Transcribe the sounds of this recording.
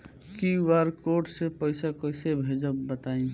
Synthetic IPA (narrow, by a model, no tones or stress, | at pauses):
kiʋaɾkoʈsepəɪsakəɪsebʱed͡ʒəbːət̪aĩ